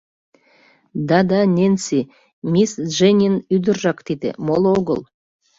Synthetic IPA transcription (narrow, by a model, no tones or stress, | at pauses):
d̪ɑd̪ɑnʲensi | mʲisʒenʲinyd̪ərːɑkt̪id̪ḛmolˠoɡəlˠ